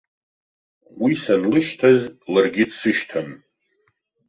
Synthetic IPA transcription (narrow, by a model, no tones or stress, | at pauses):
wisanlɨʃtʰazlarɡʲɪdsɨʃtʰan